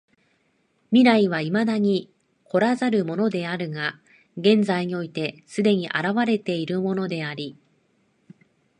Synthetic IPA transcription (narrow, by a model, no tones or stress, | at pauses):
mʲiɾaiβaimad̪aɲ̟i | kʰo̞ɾazaɾɯ̟mo̞no̞d̪e̞aɾɯ̟ŋa | ɡẽ̞nd͡zaiɲ̟io̞it̪e̞sɨd̪e̞ɲ̟iʔaɾaβaɾe̞t̪e̞iɾɯ̟mo̞no̞d̪e̞aɾʲi